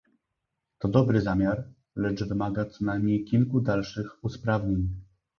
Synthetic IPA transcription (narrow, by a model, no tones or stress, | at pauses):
t̪ɔd̪ɔbɾɘzamʲjaɾ | lɛt͡ʂvɘmaɡat̪sɔnajmɲejkʲilkud̪alʂɘxuspɾavɲeɲ